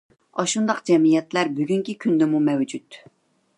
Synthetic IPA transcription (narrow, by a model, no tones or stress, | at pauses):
ɑʃund̪ɑqd͡ʒɛmijɛt̪læɾbyɡʲyŋkʲikʲʰynd̪ɛmumɛwd͡ʒut̪